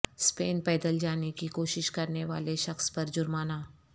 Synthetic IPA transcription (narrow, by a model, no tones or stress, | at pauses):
speːnpɛːd̪əld͡ʒaːnekikoːʃɪʃkɐɾneʋaːleʃɐxspɐɾd͡ʒʊɾmaːnaː